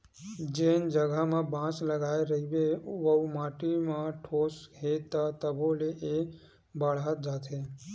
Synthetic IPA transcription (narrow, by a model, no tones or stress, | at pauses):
d͡ʒend͡ʒəɡʱamãbãt͡ʃləɡajɾəɦibeʋəumaʈimãʈʰosɦet̪at̪əboleʔe | bəɽat̪̚d͡ʒaːt̪ʰe